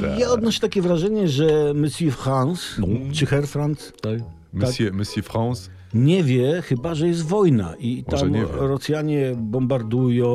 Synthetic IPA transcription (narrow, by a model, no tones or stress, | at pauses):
jaɔd̪nɔɕɛ̥t̪akʲɛvɾaʐɛɲɛʐɛmɘsʲifxanst͡ʂɨxɛɾfɾans | a | maaɛmɨsifxans | ɲɛvʲjɛxɘbaʐɛjɛst̪vɔjna̰ʔit̪amɛɾɔt̪sʲjaɲɛbɔmbaɾd̪ujɔ̃